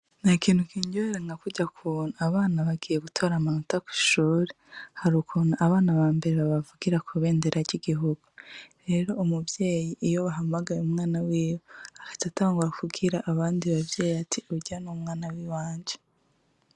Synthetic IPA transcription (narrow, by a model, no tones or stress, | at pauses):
nakiːnhukiɲɟoeɾaŋɡakuɟakʰunaaβaːnaβaɡijeɡutʰoːɾamanutakwi̥ʃuːɾehaɾukunaʔːβaːnaβaːmbe̞ɾeβaβavuɡ̥iɾakʰuβe̞ːnde̞ɾʔaɾɟiɡiɦuɡ̥uɾe̞ːɾo̞umubje̞ːjiʔːjo̞βaɦamaɡaɾeumŋaːnawiːwoakḁcataːŋɡuɾafuɡiɾaʔːβaːndiβabjeːjatʰiuɟianumŋaːnawiːwaːɲd͡ʒe